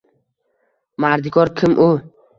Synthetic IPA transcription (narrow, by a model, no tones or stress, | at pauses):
maɾd̪ɪkʰɒɾkʲʰɪmʔʊ